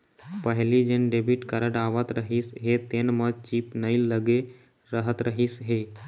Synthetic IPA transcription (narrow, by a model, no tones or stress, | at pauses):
pəɦlid͡ʒenɖebʱiʈkəɾəɽaːʋət̪ɾəɦisɦet̪enmət͡ʃiːpnəiləɡe | ɾəɦət̪ɾəɦisɦe